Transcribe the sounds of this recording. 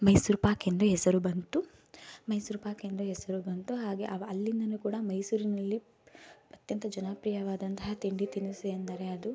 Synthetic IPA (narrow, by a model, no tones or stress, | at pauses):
mɐjsuːɾpaːkend̪uɦɛsɐɾubɐnt̪u | mɐjsuːɾpaːkend̪uɦɛsɐɾubɐnt̪uɦaːɡe̞ʔɐʋɐɐlːind̪ɐnuːkuːɽɐmɐjsuːɾinɐlːi | ɐt̪jɐnt̪ɐd͡ʒɐnaːpɾijɐʋaːd̪ɐnt̪ɐɦɐt̪iɳɖit̪inusiɐnd̪ɐɾe̞ɐd̪u